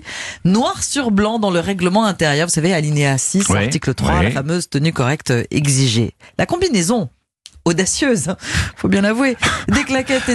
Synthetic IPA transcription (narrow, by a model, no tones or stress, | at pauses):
nwaʁsyʁblɑ̃d̪ɑ̃ləʁɛɡləmɑ̃ɛ̃t̪ɛʁjœʁvusavealineasisaʁtt̪iklət̪χwa̰la̰famøzt̪ənykɔʁɛkt̪øɛ̰ɡziʒḛlʔakɔ̃binezɔ̃ | od̪asjøzfobjɛ̃lavwed̪eklakʲɛt̪e